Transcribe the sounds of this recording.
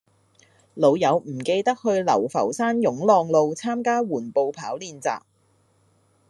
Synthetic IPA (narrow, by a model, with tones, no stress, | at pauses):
lo˨˧wjɐ˨˧wm̩˨˩ke˧jt̪ɐ˥k̚hɵ˧ɥlɐ̰˨˩wfɐ̰˨˩wsaː˥njʊ˨˥ŋlɔː˧ŋlo˧wt͡sʰaː˥mkaː˥wuː˨˩npo˨˧wpʰaː˨˥wliː˧nt͡sa̰ː˨p̚